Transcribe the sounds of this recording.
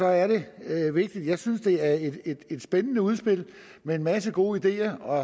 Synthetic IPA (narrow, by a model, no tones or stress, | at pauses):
sɒ̽æɐɾe̝ʋe̝ɡ̥̚d̥id̥jɑ̈ɪsynsd̥e̝æɐed̥ed̥e̝d̥sb̥enənəuð̞ˠsb̥e̝l̰ | meenmæsəɡ̥o̝ːid̥e̝̰ːɐɒ̽